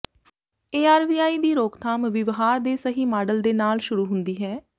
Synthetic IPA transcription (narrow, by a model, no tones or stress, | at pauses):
eːaːɾʋiːaːiːd̪iːɾoːkt̪ʰaːmʋɪʋɦaːɾd̪eːsəɦiːmaːɖəld̪eːnaːlʃʊɾuːɦʊnd̪iːɦɛː